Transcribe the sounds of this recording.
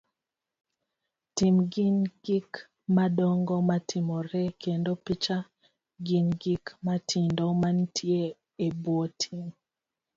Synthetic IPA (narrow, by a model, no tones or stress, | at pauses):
timɡinɡ̥ik | madɔŋɡɔmatʰimɔɾɛkʰendopit͡ʃa | ɡinɡikmatʰindomantʰje | ebwotʰim